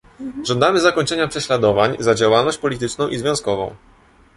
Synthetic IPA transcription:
ʐɔnd̪amɘzakɔɲt͡ʂɛɲapʂɛɕlad̪ɔvaɲzad͡ʑawalnɔɕt͡ɕʲpɔlʲit̪̬ɘt͡ʂnɔ̃w̃ʔizvʲjɔ̃w̃skɔvɔ̰̃w̃

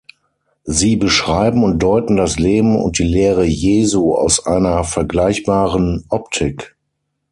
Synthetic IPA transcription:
ziːbəʃʁ̥aɪbm̩ʊnt̚d̥ɔʏtn̩dasleːbm̩ʊ̰nt̚d̥iːleːʁəjeːzuːa̰ʊsʔa̰ɪnɐfɛɐɡlaɪçb̥aːʁənʔɔptʰɪk

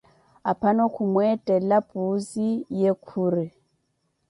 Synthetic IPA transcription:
apʰanɔkʰumwɛtʼɛlapʼuzijekʰuːri

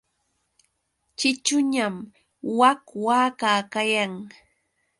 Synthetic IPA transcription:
t͡ʃɪt͡ʃʊɲam | wakwaːkaːkajaŋ

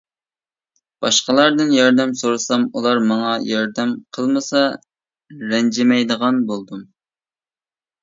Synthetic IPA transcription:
b̥ɑʃqəlˠɑɾd̪ɨnjɑɾd̪ɛmsoɾɨsɑmulˠɑɾmɑŋɑjɑɾd̪ɛmqʰəlˠmɨsɑ | ɾɛnd͡ʒɪmɛjd̪əʁɑnbolˠd̪um

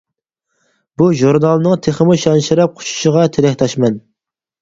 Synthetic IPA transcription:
b̥uʒuɾnɑlˠnɨŋt̪ʰeχəmuʃɑnʃɪɾɛp̚qʰʊ̥ʃu̥ʃəʁɑt̪ʰelɛhʲt̪ʰɑʃmɛn

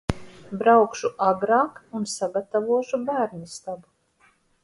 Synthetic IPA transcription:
bɾawkʃuʔaɡɾɑːkunsaɡat̪avuɔʃubæːɾnist̪abu

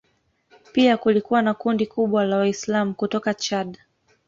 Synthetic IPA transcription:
piakulikuwanakundikuɓwalawaislamukutɔkat͡ʃad

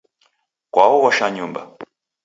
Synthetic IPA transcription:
kʷawowaʃaɲumba̰

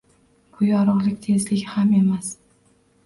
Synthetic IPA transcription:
bʊjɒɾɒʁlˠɪkʲt̪ʰe̞zlɪkʲhame̞mas

